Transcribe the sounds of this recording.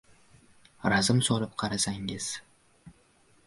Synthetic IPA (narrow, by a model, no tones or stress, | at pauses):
ɾazɪmsɒlɪp̚qʰɑɾasaŋɪz̥